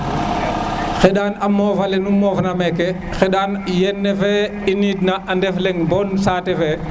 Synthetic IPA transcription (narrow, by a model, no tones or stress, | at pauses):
xɛɗaːnamɔːvalɛnumɔːvnamɛkɛ | xɛɗaːnjɛnːɛfɛ | init̚naʔandɛflɛŋbɔːnsaːtɛfɛ